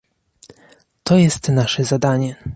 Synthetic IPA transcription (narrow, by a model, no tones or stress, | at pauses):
t̪ɔjɛst̪naʂɛzad̪aɲɛ